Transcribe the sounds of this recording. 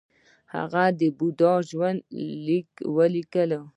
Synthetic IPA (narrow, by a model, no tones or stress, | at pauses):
ha̰ɣad̪əbud̪ɑʒwand̪likwəlikəlo